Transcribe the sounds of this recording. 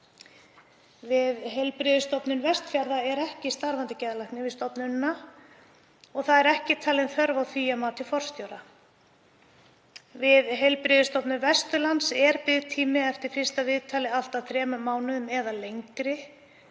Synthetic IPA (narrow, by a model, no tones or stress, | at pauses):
vɪðɦelpɾɪðʏst̪ɔpnʏnvɛst̪fjaɾðaɛɾɛhcɪst̪aɾvant̪ɪcɛðalajhknɪvɪðst̪ɔpnʏnːa | ɔɣθaðɛɾɛhcɪt̪ʰaːlɪnθœɾvawθyːjamaːt̪ɪfɔr̥st̪joːwɾa | vɪðɦelpɾɪðɪst̪ɔpnʏmvɛst̪ʏlansɛɾpɪðt̪ʰiːmɪɛft̪ɪɾ̥fɪr̥st̪avɪðt̪ʰaːlɪal̥t̪awθɾɛːmʏmːaːwnʏðʏmɛðalejŋkɾɪ